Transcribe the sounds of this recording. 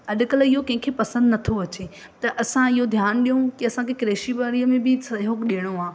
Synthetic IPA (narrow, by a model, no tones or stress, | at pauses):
ɐɗ̆kəlɪɦokɐ̃ɦɪ̃kʰepɐsə̃nd̪nɐt̪ʰoɐt͡ɕe | t̪ɐʔɐsãɪɦod̪ʱjaːnɗijõkɪɐsãkʰekɾeːʃibaːɾiəmẽbɪsɐɦokɗiɽ̃oaː